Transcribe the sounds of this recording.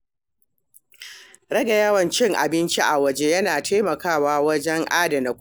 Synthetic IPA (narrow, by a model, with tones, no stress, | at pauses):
ɽɐ˦ɡa˨jɐ˦wɐ˨nt͡ʃɪ˦ŋʔa̰˨bɪ˦nt͡ʃi˦ʔa˨wɐ˦d͡ʒe˦jɐ˦naː˨tʰeː˦mɐ˨kaː˦˨waː˦wɐ˦d͡ʒɛ˦ŋʔaː˦dɐ˨na˨k